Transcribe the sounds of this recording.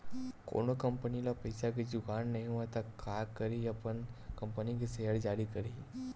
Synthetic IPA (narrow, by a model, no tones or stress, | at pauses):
ko̰ːnokɐ̃mpənilapɐɪsakid͡ʒʊkaːnːɐɦĩɦuat̪akʰːaːkɐɾiɐpənkɐ̃mpənikisejəɽd͡ʒaːɾikɐɾi